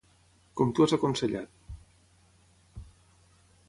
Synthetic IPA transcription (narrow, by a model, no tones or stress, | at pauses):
komt̪uasakonseʎa̰t̪